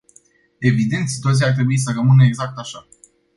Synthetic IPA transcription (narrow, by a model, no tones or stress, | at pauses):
e̞vid̪e̞nt̪si̥t̪uat̪sijart̪̬ɾe̞buisərəmɨnəeɡzak̚t̪aʃa